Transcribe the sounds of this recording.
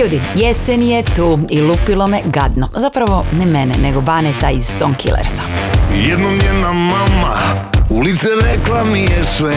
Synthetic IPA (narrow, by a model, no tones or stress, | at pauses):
jud̪ijesenijet̪uːilupilˠo̞meɡad̪nozapɾaʋo̞nɛmɛnɛneɡobaːnet̪aiz̥soŋkʰḭlʔḛɾsḁjɛd̪nomjɛnamamaulit̪sɛɾeklˠamiɛsʋɛ